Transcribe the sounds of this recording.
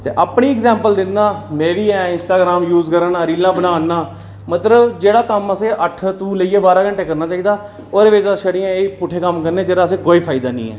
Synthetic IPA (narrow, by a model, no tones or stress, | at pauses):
t̪ḛːʔaːpniːɪɡzɛ̃ːmpəld̪ɪnd̪aːmɛ̃ːʋiːɛːɪnsʈaːɡɾaːmjuːzkəɾaːnaːɾiːlãːbənaːnːaː | mət̪ləbd͡ʒeːɽaːkəməsẽːʔəʈʰt̪ũːləiːeːbaːɾaːkəɳʈeːkəɾnaːt͡ʃaːiːd̪aː | oːɾʋeːd͡ʒaːʃəɽijãːeiːpʊʈʰːeːkəmkəɾneːd͡ʒeːɽaːəs̬ẽːkoːiːpʰaːid̪aːnḭ̃ːɛ̰ː